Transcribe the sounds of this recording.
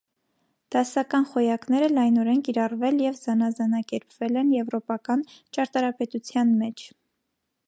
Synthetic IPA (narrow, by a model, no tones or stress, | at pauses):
d̪̥ɑsɑkɑnχɔjɑknɛɾəlɑjnɔɾɛnkiɾɑrvɛljɛvzɑnɑzɑnɑkɛɾpvɛlɛnjɛvɾɔpɑkɑnt͡ʃɑɾt̪ɑɾɑpɛt̪ut͡sʰjɑnmɛt͡ʃʰ